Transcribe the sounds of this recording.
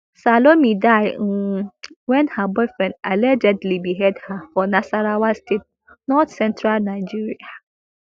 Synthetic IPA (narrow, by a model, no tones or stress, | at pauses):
salomĩdaɪŋ̩wɛ̃nhabɔɪfɹɛ̃ndɛlɛd͡ʒɛdlibiɦɛdhafɔnasaɾawastʰet̚ | nɔtsɛ̃ntʰɹalnãɪd͡ʒiɹia